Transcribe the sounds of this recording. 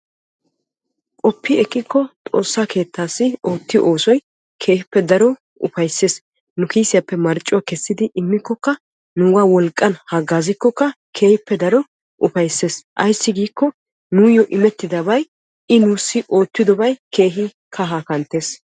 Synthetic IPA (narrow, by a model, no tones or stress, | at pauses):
kʼɔpːɪɛkʼːɪkʰːɔt̪ʼo̞̰ːsːakʰe̞ːt̪ːaːsːɪʔo̞ːt̪ːɪʔo̞ːsɔj | kʰe̞ːhɪpːɛd̪ɐɾɔ | ʊ̰fɐjsːe̞ːs | nʊkiːsɪjɐpːɛmɐɾt͡ʃʼːʊwakɛsːɪd̪ɪʔɪmːɪkːɔkːɐ | nʊwaːwɔlkʼːɐnhɐɡaːzɪkːɔkːɐ | kʰe̞ːhɪpːɛd̪ɐɾɔ | ʔʊfɐjsːe̞ːsʔɐjsːɪɡiːkːɔ | nuːjɔʔɪmɛt̪ːɪd̪ɐbɐj | ɪnuːsːɪʔo̞ːt̪ːɪd̪ɔbɐjkʰe̞ːɦɪ | kʰɐɦaːkɐnt̪ːe̞ːs